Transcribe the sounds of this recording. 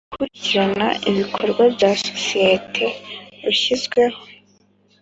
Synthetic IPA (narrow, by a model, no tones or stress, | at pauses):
kuɾiɟiɾana̰ʔiβikʰo̞ɾɡwabɟaso̞̥sijetʰe̞βiʃizɡwe̞ho̞